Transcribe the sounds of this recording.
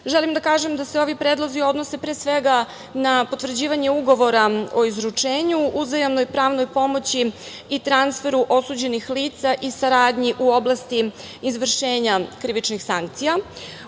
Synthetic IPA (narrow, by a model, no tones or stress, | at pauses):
ʒelimd̪akaːʒemd̪aseo̞ʋipɾeːd̪lˠo̞zio̞d̪no̞se̞pɾeːsʋe̞ɡa | napo̞t̪vr̩d͡ʑiːʋaɲe̞uɡo̞ʋo̞ɾao̞izɾut͡ʂeːɲuuzajamno̞jpɾaːʋno̞jpo̞mo̞t͡ɕi | it̪ɾansfe̞ɾuʔo̞sud͡ʑe̞nixliːt̪saʔisaɾaːd̪ɲiʔuo̞blˠast̪i | izʋr̩ʃe̞ːɲakɾiʋit͡ʃnixsaŋkt̪sija